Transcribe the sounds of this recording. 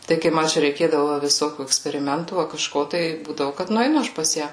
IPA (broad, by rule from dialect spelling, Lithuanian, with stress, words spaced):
ˈtɐɪ kɐɪ ˈmɐ ˈt͡ʃʲɛ rʲɛɪˈkʲeːdɐʋoː ʋɐ ʋʲɪˈsoːkʲuː ɛksʲpʲɛrʲɪˈmʲɛntuː ɐ kɐˈʃkoː tɐɪ ˈbuːdɐʋʊ kɐt nʊɛɪˈnʊ ˈɐʃ pɐs ˈjæː